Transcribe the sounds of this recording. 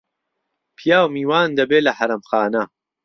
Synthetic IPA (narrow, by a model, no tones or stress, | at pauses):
pʰijaːwmiːwaːnd̪ɐbeːlɐħɐɾɐmxaːnɐ